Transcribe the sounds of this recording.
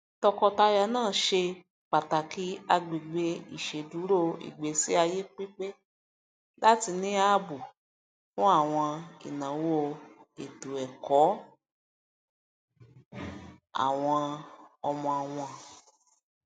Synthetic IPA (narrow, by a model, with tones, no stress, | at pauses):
tɔ˧kɔ˧ta˧ja˧˨nãː˦˨ʃe˧ | k͡pa˨ta˨ki˨˦a˧ɡ͡bi˨ɡ͡be˧i˨ʃe˨du˨˦ɾo˦ḭ˨ɡ͡be˨˦si˨˦a˧je˦k͡pi˦k͡pe˦ | la˦ti˧nĩ˦a˦bu˨ | fũ˦a˦˨w̃ɔ̃˧ḭ˨nã˨wo˦e˨tu˨ɛ˨kɔ˨˦ | a̰˦˨w̃ɔ̃˧ɔ˧mɔ̃˧a˧w̃ɔ̃˧